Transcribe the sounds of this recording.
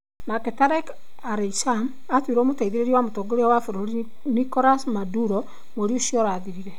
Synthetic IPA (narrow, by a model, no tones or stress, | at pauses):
naketaɾek | aɾesam | atwiɾoːmotaiðiɾeɾiwamotoːɡoɾejawafoɾoɾi | nikoɾasmaduɾo | moɾioʃiɔɾaðiɾiɾe